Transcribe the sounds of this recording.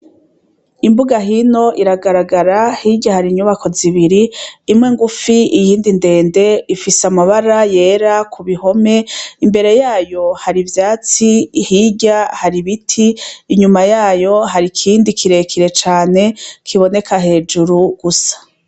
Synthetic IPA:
imbuɡaɦino̞ʔiɾaɡaɾaɡaɾahiɟahaɾiɲuβakʰo̞ziβiɾiːmŋe̞ŋɡufiijiːndinde̞ːnde̞ifisamaβaɾaje̞ːɾakʰuβiho̞me̞imbe̞ɾe̞jaːjo̞haɾivjaːt͡sihiːɟahaɾiβitʰiːɲumajaːjo̞ɦaɾikʰiːndikʰiɾe̞kʰiɾe̞t͡ʃaːne̞kʰiβo̞ne̞kʰaɦe̞ːd͡ʒuɾuɡ̥usḁ

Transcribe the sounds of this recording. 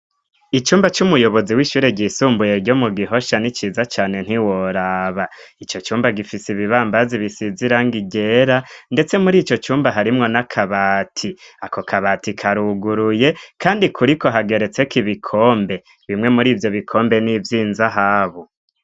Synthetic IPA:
it͡ʃuːmbat͡ʃumujo̞βo̞ziwiʃuːɾe̞ɟisuːmbuje̞ɾɟo̞muɡiɦo̞ʃanit͡ʃiːzat͡ʃaːne̞n̥iwoɾaːβait͡ʃo̞t͡ʃuːmbaɡifisiβiβaːmbaziβisiziɾaːŋɡiɟe̞ɾande̞t͡se̞muɾiːt͡ʃo̞t͡ʃuːmbaɦaɾimŋo̞nakʰaβaːtʰiako̞kʰaβaːtikʰaɾuɡuɾuje̞kaːndikʰuɾiko̞ɦaɡe̞ɾe̞t͡se̞kiβikʰoːmbe̞ | βimŋe̞muɾiːvjo̞βikʰo̞ːmbe̞nivjiːnzaɦaːβo

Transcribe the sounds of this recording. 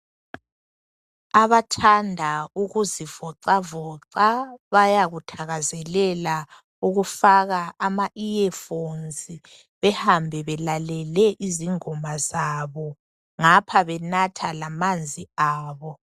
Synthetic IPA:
aβatʰandʱauɣuziv̥ɔǀavɔǀaβajaɣutʰaɣazɛlɛla | uɣufaɣaːmaʔiɛfonzi | βɛhambʱɛβɛlalɛlɛʔiziŋɔmazaːβɔ | ŋapʰaβɛnatʰalamand͡zʱiaːβɔ

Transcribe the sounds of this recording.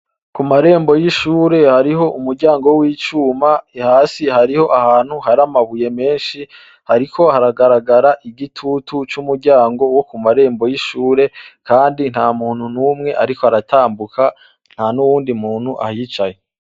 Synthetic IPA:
kumaɾe̞ːmbo̞jiʃuːɾe̞haɾiɦo̞ʔumuɾɟaːŋɡowiːt͡ʃuːmaihaːsihaɾiho̞ʔahaːn̥huhaɾamaβuje̞me̞ːnʃi | haɾikʰo̞haɾaɡaɾaɡaɾaʔiɡitʰutʰut͡ʃumuɾɟaːŋɡo̞wo̞kumaɾe̞ːmbo̞jiʃuːɾe̞kaːndin̥haːmuːn̥hunuːmŋe̞ʔaɾikoaɾataːmbukʰa | n̥hanuwuːndimuːn̥huʔa̰hit͡ʃaje

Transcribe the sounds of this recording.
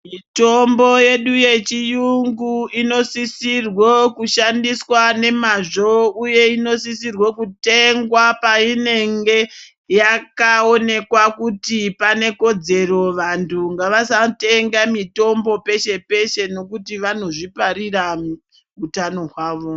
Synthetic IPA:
mito̞mbo̞je̞ɗuje̞t͡ʃijuŋɡuino̞sisirwo̞kuʃandiswane̞maʐo̞uje̞ino̞sisirwo̞kute̞ŋɡwapaine̞ŋɡe̞ | jakao̞ne̞kwakutipane̞ko̞d͡ze̞ro̞ʋantʰuŋɡaʋasate̞ŋɡamito̞mbo̞pe̞ʃe̞pe̞ʃe̞no̞kutiʋano̞ʐipaɾira | utano̞ɦwaːʋo̞

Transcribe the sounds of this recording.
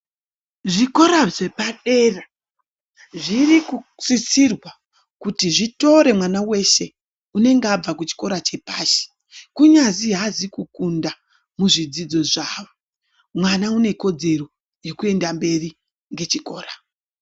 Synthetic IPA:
ʐiko̞ɾaʐe̞paɗe̞ra | ʐirikusisirwa | kutiʐito̞ɾe̞mwanawe̞ʃe̞ | une̞ŋɡeab͡vakut͡ʃi̥ko̞ɾat͡ʃe̞paːʃi̥ | kuɲaziɦazikukunda | muʐid͡zid͡zo̞ʐaːʋo | mwanaune̞ko̞d͡ze̞ro̞ | je̞kue̞ndambe̞ri | ŋɡe̞t͡ʃiko̞ːra

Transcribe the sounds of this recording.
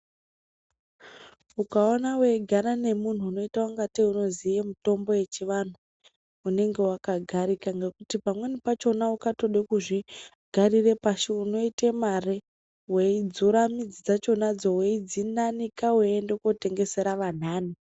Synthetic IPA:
ukaonawe̞ɡʱanane̞mun̤uːno̞itawuŋɡatiuno̞zijemuto̞mbo̞je̞t͡ʃiʋan̤uː | ne̞ŋɡe̞wakaɡʱaɾikaŋɡekutipamwe̞nipat͡ʃo̞naukato̞ɗekuʐi | ɡ̥ʱarire̞paʃiuno̞itemare | weid͡zuɾamid͡zid͡zat͡ʃo̞nad͡zo̞weid͡zinanikaweendekote̞ŋɡe̞se̞ɾaʋan̤aːni

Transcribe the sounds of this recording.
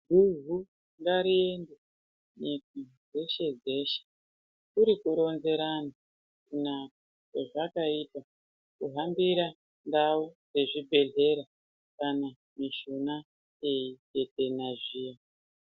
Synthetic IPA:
ɡʱuvʱu | ŋɡaɾie̞nde | ɲika | d͡ze̞ʃe̞d͡ze̞ːʃe̥ | kuɾikuɾo̞nze̞ɾana | kunaka | keʐakaipa | kuɦambiɾa | ndaud͡ze̞ʐibʱe̞ɮe̞ɾa | kana | miʃuna | eike̞te̞naʐiːja

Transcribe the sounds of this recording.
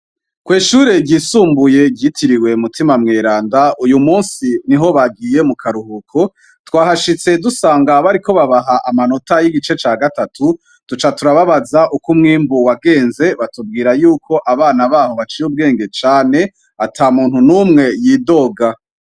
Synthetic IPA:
kwiːʃuːɾe̞ɟiːsuːmbuje̞ɟɟitʰiɾiwe̞mutʰimamŋe̞ːɾaːndaujumuːnsiniɦo̞βaɡiːje̞mukʰaɾuhukʰo̞ | twaːɦaʃit͡se̞dusaːŋɡaβaɾiko̞βaβaɦaʔamano̞tajiɡit͡ʃe̞t͡ʃaːɡatatʰu | tut͡ʃatuɾaβaβazaʔukumŋiːmbuwaɡe̞ːnze̞βatub̚ɡiːɾajuːkʰo̞ʔaβaːnaβaːho̞βat͡ʃiub̚ɡe̞ːŋɡe̞t͡ʃaːne̞ | atʰaːmuːnhunumŋe̞jiːdo̞ɡa

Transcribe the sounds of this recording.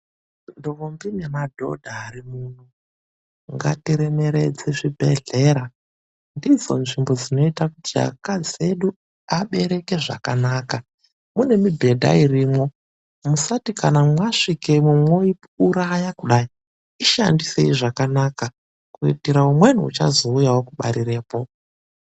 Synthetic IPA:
ndoʋombinemadʱo̞̰dʱaːɾimun̤u | ŋɡa̰tiɾeme̞ɾe̞d͡zeʐibʱe̞̰ɮe̞ɾa | ndid͡zo̞nʐimbo̞d͡zino̞itakutia̰kad͡zie̞ɗu | aɓe̞ɾe̞ke̞ʐa̰kanaːka | mune̞mibʱe̞dʱa̰iriːmo̞ | musatikanamwaʂikemumwo̞i | uɾajakuɗai | iʃandise̞iʐakanaka | kuḭtiɾaumwe̞nuṵt͡ʃa̰zo̞ujawo̞kuɓa̰ɾiɾe̞ːpo

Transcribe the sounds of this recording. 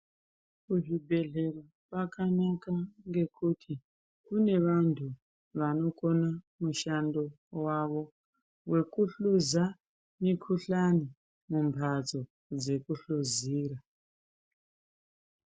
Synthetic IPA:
kuʐibʱe̞ɮe̞ra | pakanakaŋɡe̞kʰutʰi | kune̞ʋantʰu | ʋano̞ko̞na | muʃando̞ | waʋo̞ | we̞kuɬuza | mikʰuɬani | mumpʰad͡zo̞ | d͡ze̞kuɬuziːra

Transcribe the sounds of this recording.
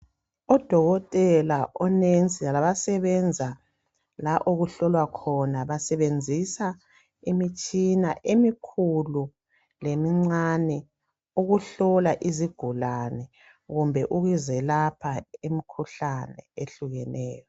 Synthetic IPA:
ɔd̥ʱɔɣɔtʼɛlaʔɔnent͡sʼialaβasɛβɛnd͡zʱa | laʔoɣuɬɔlwakʰɔnaβasɛβend͡zʱisa | imit͡ʃʼinaʔemikʰulu | lemiŋ͡ǀanɛ | uɣuɬɔlaʔiziɡ̥ʱulanɛ | ɣumbʱɛʔuɣizɛlapʰaemikʰuɬanɛ̰eɬuɣɛnɛ̰ːjɔ

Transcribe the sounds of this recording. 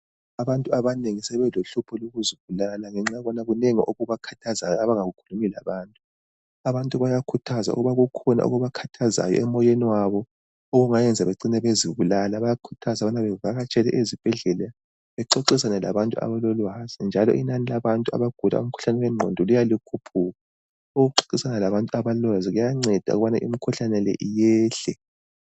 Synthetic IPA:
aβantʼuaβaneŋisɛβɛloɬupʰɔloɣuziβulalaŋɛŋ͡ǁaβɔnaɣuneŋiʔoɣuβakʰḁtʰazajɔaβaŋaɣukʰulumila̰βaːntʼu | aβantʼuβajakʰutʰaza̰ṵɣuβaɣukʰɔna̰ʔṵɣuβakʰatʰaza̰jɔ̰ɛmɔjeniwaβɔ | oɣuŋajɛnd͡zʱaβeǀinɛβeziβulalaβajakʰu̥tʰazaβanaβɛɣaɣat͡ʃʼɛlɛ̰ʔezib̥ʱɛɮɛlɛ | βɛǃoǀisanɛla̰βantʼua̰βalɔlwaz̥ind͡ʒʱalɔ̰ʔinanilaβantʼua̰βaɡ̥ʱula̰ṵm̩kʰu̥ɬanɛwɛŋ͡ǃʱo̰ndʱɔlujalikʰupʰuːɣa | oɣɣuǃo̥ǀisanɛlaβantʼuaβalɔaziɣujaŋ͡ǀɛd̥ʱa̰uɣuβanaʔimikʰuɬanɛlɛ̰ʔijɛːɬɛ

